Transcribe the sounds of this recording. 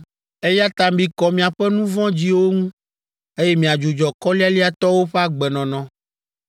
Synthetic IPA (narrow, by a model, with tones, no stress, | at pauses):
e˦ja˦t̪a˨mbĩ˦kɔ˨mĩ˨a˨ɸɛ˦nũ˦vɔ̃˦d͡ʑi˦wo˦ŋũ˦ | e˦jɛ˦mĩ˨a˨d͡ʒu˨d͡ʒɔ˨kɔ˦li˦a˦li˦a˦t̪ɔ˦wo˦ɸɛ˦a˦ɡ͡bɛ˨nɔ̃˨nɔ̃˨